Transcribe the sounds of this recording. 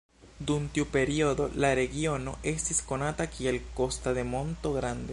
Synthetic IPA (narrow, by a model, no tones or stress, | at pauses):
d̪unt̪upe̞ɾiod̪o̞̰laɾe̞ɡio̞no̞̰ʔe̞st̪isko̞natakielko̞staðe̞mo̞nt̪o̞ɡɾand̪e